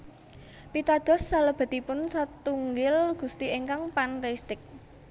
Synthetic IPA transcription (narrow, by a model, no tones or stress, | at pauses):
pit̪ad̪̥ɔ̤sːaləb̥a̤t̪ipʊnsat̪uŋɡɪlɡ̥ṳst̪iʔeŋkaŋpant̪est̪ɪk̚